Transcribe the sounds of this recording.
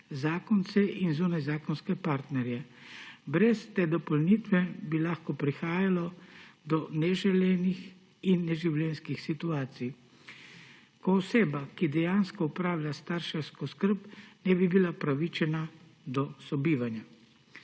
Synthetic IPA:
zaːkɔnt̪sɛʔinzuːnajzaːkɔnskɛpaːɾt̪nɛɾjɛ | bɾɛst̪ɛːd̪ɔpɔlniːt̪ʋɛbilaːxkɔpɾixaːjalɔd̪ɔnɛʒɛlɛːnix | inːɛʒiwlʲɛnskixsit̪uaːt̪sij | kɔːseːbakid̪ɛjaːnskɔupɾaːwlʲjast̪aɾʃɛwskɔskəɾpnɛbibilapɾaʋit͡ʃɛna | d̪ɔsɔbiːʋanja

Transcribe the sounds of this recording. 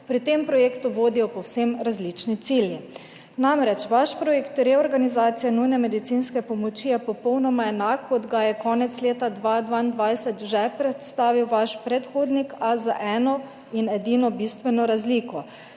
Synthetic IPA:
pɾit̪empɾɔjeːkt̪uʋoːd̪ijɔpɔwsemɾazlit͡ʃnit̪silji | namɾɛt͡ʃʋaʃpɾɔjekt̪ɾɛɔɾɡanizaːt̪sijɛnujnɛmɛd̪it̪sinskɛpɔmɔt͡ʃijɛpɔpɔwnɔmaɛnakːɔd̪ɡajɛkɔːnɛt̪sleːt̪ad̪ʋaːd̪ʋaind̪ʋajsɛt̪ʒɛpɾɛt̪st̪aːʋiwʋaʃpɾɛt̪xoːd̪nikazaʔɛːnɔ | inɛd̪iːnɔbist̪ʋɛnɔɾazliːkɔ

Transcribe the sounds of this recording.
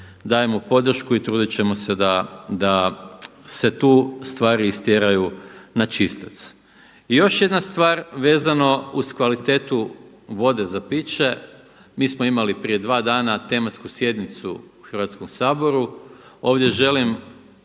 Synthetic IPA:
d̪aːje̞mopo̞d̪r̩ʃkuit̪ɾuːd̪it͡ɕe̞mo̞se̞d̪ad̪a | se̞t̪uːst̪ʋaːɾiːst̪jeɾajunat͡ʃist̪at̪s | ijo̞ʃje̞d̪nast̪ʋaːɾʋe̞ːzano̞uskʋalit̪e̞ːt̪u | ʋo̞d̪e̞zapiːt͡ɕe̞ | miːsmoimalipɾije̞d̪ʋaːd̪aːnat̪e̞mat̪skusje̞d̪nit̪suuxr̩ʋat̪skomsaːbo̞ɾuo̞ːʋd̪ʲje̞ʒe̞lim

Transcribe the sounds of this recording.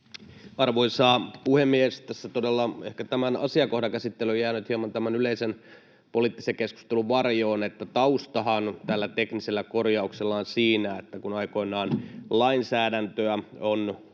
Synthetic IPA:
ɑrʋoisɑːpuhemːiest̪æsːæt̪odelːɑehkæt̪æmænɑ̰siɑkohdɑkæsit̪ːelyojæːnyt̪hiɑmɑnt̪æmænyleisen | poliːt̪ːi̥sekesku̥st̪eluʋɑrjoːnet̪ːæt̪ɑust̪ɑɦɑnt̪ælːæt̪ekniselːækorjɑukselːɑːnsiːnæet̪ːækunɑiko̞inɑːnlɑinsæːdænt̪øæon

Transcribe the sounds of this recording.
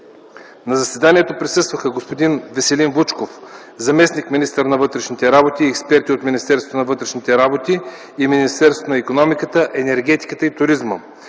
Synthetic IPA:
nɐzɐsvɛd̪anʲiɛt̪opɾisɤst̪vəxəɡospod̪invɛsɛlinbut͡ʃkof | zɐmɛsnikminist̪əɾnɐvɤt̪ɾɛʃnʲit̪ɛɾabot̪iːɛkspɛɾt̪iot̪minist̪ɛɾso̥t̪onɐvɤt̪ɾɛʃnit̪ɛɾabot̪iː | minist̪ɛɾsot̪onɐikonɔmikət̪əʔɛnɛɾɡʲɛt̪i̥kət̪əit̪ʊɾizmə̰

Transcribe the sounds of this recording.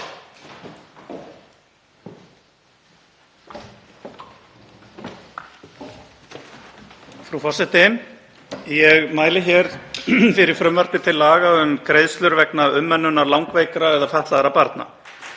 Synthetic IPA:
fɾufɔrsɛht̪ɪm | jɛɣmaːjlɪçɛɾ̥fɪɾɪɾ̥fɾʏmvar̥p̪ɪt̪ʰɪlːaːɣaʏmkɾejðst̪lʏɾvɛknaʏmːɛnːʏnːaɾlawŋkvejkɾaɛðafɛht̪aðɾapaɾt̪na̰

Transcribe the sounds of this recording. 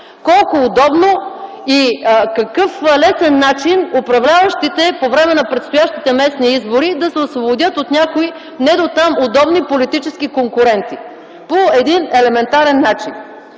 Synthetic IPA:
kɔlˠkʊːd̪ɔbno | ikɐkɤflɛsɛnːat͡ʃinʊpɾɐvlʲavɐʃt̪it̪ɛpovɾɛmɛnɐpɾɛt̪st̪ʊjaʃt̪it̪ɛmɛsniizbʊɾid̪ɐsɛʊsvobod̪ʲɤt̪ot̪nʲakoi | nɛd̪ot̪amʊd̪ɔbnipolit̪it͡ʃɛskikoŋkʊɾɛnt̪i | poɛd̪inɛlɛmɛnt̪aɾɛnːat͡ʃin

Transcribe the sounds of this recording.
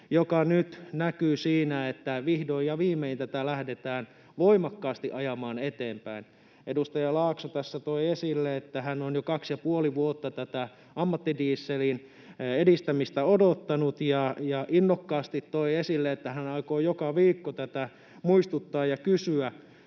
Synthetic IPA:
jokɑnyt̪nækyːsiːnæet̪ːæʋihdoijɑʋiːmːeint̪æt̪ælæhdet̪æːn | ʋoimɑkːɑːst̪iʔɑjɑmɑːnet̪eːmpæin | ʔedust̪ɑjɑlɑːksot̪æsːæt̪oiesilːeet̪ːæhænonjokɑksjɑpuoliʋuot̪ːɑt̪æt̪æ | ɑmːɑt̪ːidiːsːelin | edist̪æmist̪æodot̪ːɑnut̪jɑjɑʔinːokːɑːst̪it̪toiesilːeet̪ːæhænɑikoːjokɑʋiːkːot̪æt̪æ | muist̪ut̪ːɑːjjɑkysyæ

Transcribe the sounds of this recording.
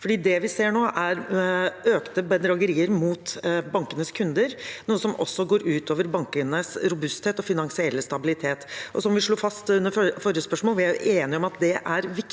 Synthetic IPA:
fɔɖiːd̪ɛʋɪseːɳoːʔæɾ | øːkt̪əbɛd̪ɾɑɡəɾiːəɾmuːt̪bɑŋkənəskʰʉnd̪əɾnuːəsɔmʔɔ̰sːɔɡoːɾʉːt̪ʰoːʋəɾbɑŋk̪ɪnnəsɾʊbʉst̪heːt̪ɔfɪnɑŋsɪɛlːəst̪ɑbɪlɪt̪ʰeːt̪ʔɔsɔmʋɪʂɭuːfɑst̪ʉnːəfɔɾɪjəspœʂmoːlʋɪæɾjʊʔeːnɪɔmɑt̪d̪ɛʔæɾʋɪk

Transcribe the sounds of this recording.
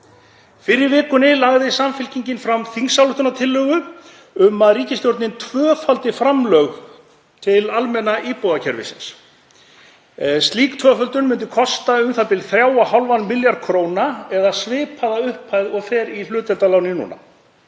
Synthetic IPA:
fɪɾɪɾvɪːkʏnɪlaɣðɪsamfɪlciɲcɪnfɾamθiŋsːawlʏht̪ʏnat̪ʰɪlːœɣʏ | ʏmaðriːcɪst̪jowɾt̪nɪnt̪ʰvœːfalt̪ɪfɾamlœɣ | t̪ʰɪlalmɛnaʔiːpowðacʰɛɾvɪ̰sɪ̰ns | st̪liːkt̪ʰvœfœlt̪ʏnmʏnt̪ʏkʰɔst̪aʏmθapɪlθɾjaːwahawlvanmɪljaɾkʰɾoːwnaɛðasvɪːpʰaðaʏhpʰajðɔɣfɛːɾilʏːt̪ɛlt̪alawnɪnṵːna̰

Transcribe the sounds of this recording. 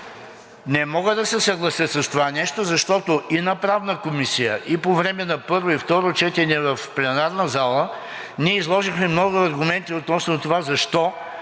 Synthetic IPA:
nɛmɔɡəd̪ɐsɛsɐɡlˠɐsjəsɐst̪ovanɛʃt̪ozɐʃt̪ɔt̪oʔinɐpɾavnəkomisijə̰ʔipovɾɛmɛnɐpɤɾvoift̪ɔɾot͡ʃɛt̪ɛnɛvɐfplʲɛnaɾnəzalˠə | niɛizlˠɔʒixmɛmnɔɡʊɐɾɡʊmɛnt̪iot̪nɔsnot̪ovazɐʃt̪ɔ

